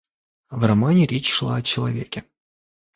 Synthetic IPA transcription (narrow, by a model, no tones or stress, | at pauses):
vrɐmanʲɪɾʲet͡ɕʂlˠa̰ɐt͡ɕɪlˠɐvʲekʲɪ